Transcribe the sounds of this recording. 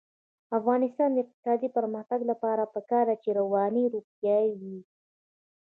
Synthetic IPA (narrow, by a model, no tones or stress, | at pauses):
afɣɑnɪst̪ɑnd̪əɪq̚t̪ɪ̥sɑd̪ipəɾməxt̪aɡlapɑɾapəkɑɾd̪at͡ʃeɾawɑniɾupjɑwi